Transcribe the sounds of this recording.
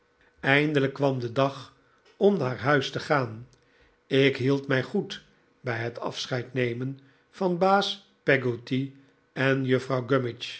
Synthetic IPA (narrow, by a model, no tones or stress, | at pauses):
ɛjndələkːʋɑmdədɑχ | ɔmnaːɹɦœɥstəχaːn | ɪkɦilˠtmɛjχut | bɛjɦətɑ̰fsχɛjtnejmən | v̥ɑnbaːs | pɛɡoti | ɛnjəfrɑwɡømɪt͡ʃ